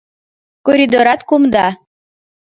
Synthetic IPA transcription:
koɾʲid̪oɾɑt̪kumd̪ɑ

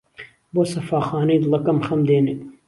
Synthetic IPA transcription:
boːsɐfaːxɑːnɐjd̪lɐkɐmxɐmd̪eːne

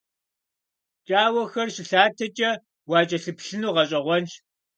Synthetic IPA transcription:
t͡ʃʼaːwɐxɐrɕɪɬaːtʰɐt͡ʃʼɐ | wɑːt͡ʃʼɐɬɨpɬɨnuːʁɐɕʼɐʁʷɔnt͡ʃ

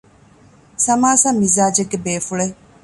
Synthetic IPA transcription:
sɐmaːsɐmːizaːd͡ʒeɡːebeːfuɭe

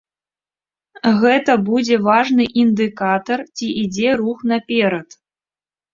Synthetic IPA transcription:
ɣɛt̪ɐbud͡zʲɛvaʐnɨʔind̪ɨkat̪ɐrt͡sʲiʔid͡zʲɛɾuxn̪apʲɛɾɐt̪

